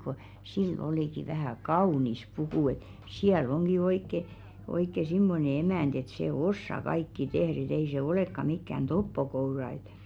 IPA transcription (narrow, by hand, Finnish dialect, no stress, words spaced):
ko silː oliˑki ʋæhæˑ kɑunis pukuˑ et siæl oŋɡ̊i oikːe oikːe simːone emænd̥ et seˑ osːɑ kɑikːi tehr et ei se oleˑkːɑ mikːæn topːokourɑ ĕt